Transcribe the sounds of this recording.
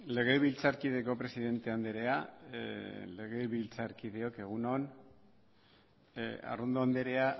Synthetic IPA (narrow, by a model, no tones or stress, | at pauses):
le̞ɣ̞eβilt͡saɾkið̞e̞ko̞pɾe̞siðe̞nt̪e̞and̪eɾe̞a | le̞ɣe̞βilt͡saɾkið̞eo̞ke̞ɣ̞unon | a̰rond̪oand̪eɾe̞a